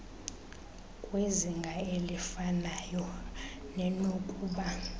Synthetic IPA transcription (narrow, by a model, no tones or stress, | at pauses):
kʼweziŋɡʱaelifanajɔ | nɛnokʼuɓa